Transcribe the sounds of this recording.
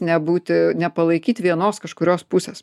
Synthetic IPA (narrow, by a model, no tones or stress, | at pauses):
nʲɛbuːt̪ʲɪnʲɛpɐlˠɐɪkʲiːt̪ʲʋʲiɛnoːskɐʃkʊɾʲoːspʊsʲeːs